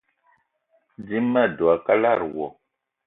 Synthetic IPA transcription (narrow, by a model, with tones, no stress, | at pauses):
di˦mːa˦˨du˨a˨ka˦la˦˨ɾwɔ˨